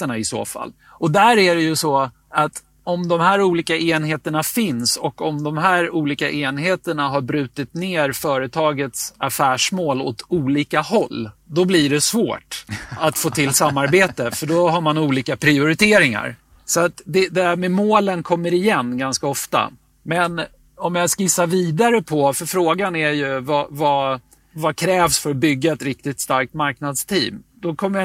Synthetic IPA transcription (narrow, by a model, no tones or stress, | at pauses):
əɳaɪso̰ːfa̰lː | ɔd̪æːɾæɾɛjɵsɔ | at̪ | ɔmd̪ɔmhæːɾuːliːkaeːnɦeːt̪əɳafɪnsɔkɔmd̪ɔmɦæːɾuːliːkaʔeːnɦeːt̪əɳaɦaɾbɾʉ̟ːt̪ɪt̪neːɾfœːɾət̪ʰɑːɡət̪safæːʂmoːlɔ̰t̪uːliːkahɔlːd̪ɔbliɖɛsvo̰ːʈat̪foːt̪ʰɪlsamːaɾbeːt̪əfœɖɔɦaɾmanuːliːkapʰɾɪʊɾɪt̪ʰeːɾɪŋa̰ɾ | sɔat̪d̪ɛd̪ɛæɾmɛmoːlənkʰɔmːəɾɪjɛnːɡanskaɔft̪a̰ | mɛn | ɔmjɑskɪsaviːd̪aɾəpʰɔfœɾfɾoːɡanɛɾjɵvava | vakʰɾɛːvsfœɾɔbʏɡːaɛt̪ɾɪk̚t̪ɪt̪st̪aɾk̚t̪maɾknad̪st̪ʰḭːmd̪ɔkʰɔmːəj